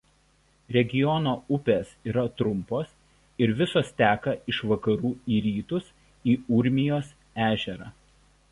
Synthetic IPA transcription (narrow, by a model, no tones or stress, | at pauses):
ɾʲɛɡʲɪjɔnoːʊpʲeːsiːɾɐt̪ɾʊmpoːs | ɪɾʋʲɪsoːst̪ʲæːkɐɪʃʋɐkɐɾuːiːɾʲiːt̪ʊs | iːʊɾʲmʲɪjoːs | æːʒʲɛɾɑ̰ː